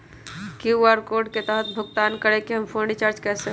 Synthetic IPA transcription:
kiəɾkoɾɖket̪ɛɦət̪̚bʱʊɡt̪ankəɾekeɦəmpʰõɳɖit͡ʃaːɾt͡ʃkɛse

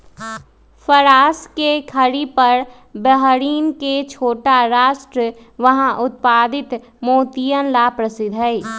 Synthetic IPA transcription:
fʰəɾaːskekʰəɽipɐɾ | bəɦɾiːnket͡ʃʰoːʈaɾaːʃʈɾə | ʋɐɦãʔʊt̪̚paːd̪ɪt̪ | moːt̪ijənlapɾəsɪd̪ʱɦɛi

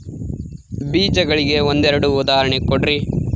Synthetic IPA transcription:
biːd͡ʒɐɡɐɭiɡe̞ond̪ɛɾɐɽuːd̪aːɐɾɐɳekoɽɾi

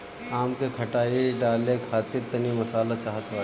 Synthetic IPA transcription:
aːmkekʰɐʈaːiɖaːlekʰaːt̪ɪɾt̪ɐnimɐsaːlat͡ʃaːɦət̪ɦaː

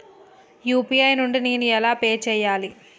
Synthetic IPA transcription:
juːpiɐjnuɳɖineːnuɛlaːpeːt͡ʃɛːjːaːli

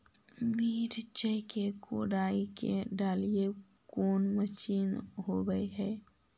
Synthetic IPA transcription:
miːɾt͡ʃəkeko̰ːɖaːikḛɖaːlije | koːnməʃiːnɦoɡəeɦɛː

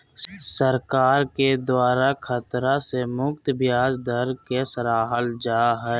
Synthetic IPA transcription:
səɾkaːɾked̪waːɾakʰət̪ɾasemʊkt̪bjaːzd̪əɾkesɾaːɦəld͡ʒaːɦɛː

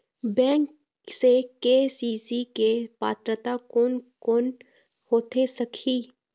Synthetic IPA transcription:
bɛ̃ːŋk | sekeːsiːsikepa̰ːt̪ɾət̪akʊnkʊn | hoːt̪ʰesəkʰiː

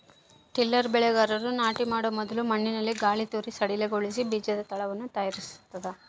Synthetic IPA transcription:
ʈilːɐɾbɛɭɛɡaːɾɐɾunaːʈimaːɽomɔd̪ɐlumɐɳːinɐlːiɡaːɭit̪uːɾisɐɽileɡoɭis̬ibiːd͡ʒɐd̪ɐt̪ɐɭɐʋɐnːut̪ɐjaɾisu̥t̪ːɐd̪e

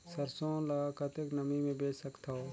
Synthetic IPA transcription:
səɾsõːlɐɡakət̪eknɐmimẽbeːsɐkt̪aɦoː

